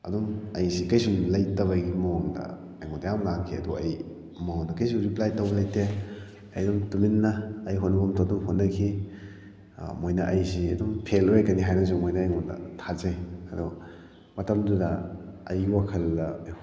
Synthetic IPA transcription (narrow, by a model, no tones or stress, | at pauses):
ɐ̰duŋɐjsikɐjsumlɐjtɐβɐɡimoŋdɐ̰ | ɐjŋɔndɐjamlakʰiɐ̰duɐj | moŋdɐkajs̬uŋɾiplajtɐwɐlɐjte | ɐjdumtuminːɐːjɦotnɐbumtaduŋhotnːɐkʰi | mojnɐʔɐjsiɐdumpʰelojakɐniɦajnɐs̬umojnɐːjŋɔndɐ̰tʰazajɐdu | mɐtɐmdudɐɐjwakʰɐl